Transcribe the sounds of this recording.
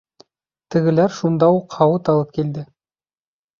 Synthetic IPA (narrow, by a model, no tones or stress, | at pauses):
t̪ɘ̆ɡɘ̆læɾʃund̪ɑuqhɑwɤt̪ɑlˠɤp̚kild̪ɘ